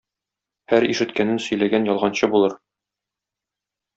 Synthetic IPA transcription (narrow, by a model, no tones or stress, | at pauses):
hæɾiʃɘ̆t̪kænɘnsɵ̆jlæɡænjɒlˠʁɑnɕɤbulˠɤɾ